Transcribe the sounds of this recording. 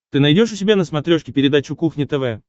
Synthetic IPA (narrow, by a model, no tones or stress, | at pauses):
t̪ɨnɐjdʲo̞ʂʊsʲɪbʲanəsmɐt̪ɾʲo̞ʂkʲɪpʲɪɾʲɪd̪at͡ɕʊkuxnʲɪt̪ɛvɛ